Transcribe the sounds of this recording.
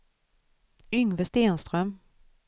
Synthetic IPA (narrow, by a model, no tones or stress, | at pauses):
ʏŋːvɛst̪eːnst̪ɾœm